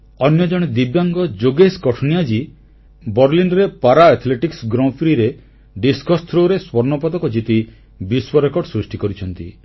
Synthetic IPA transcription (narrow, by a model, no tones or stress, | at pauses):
ɔnjɔd͡ʒɔɽ̃ed̪ibjaŋɡɔd͡ʒoɡeskɔʈʰɔnijad͡ʒi | bɔɾlinɾepaɾaɛt̪ʰleʈiksɡɾɔ̃pʰɾiɾe | ɖiskɔst̪ʰɾoɾeswɔɾnɔpɔd̪ɔkɔd͡ʒit̪i | biswɔɾekɔɾɖsɾusʈikɔɾit͡ʃʰɔnt̪ḭ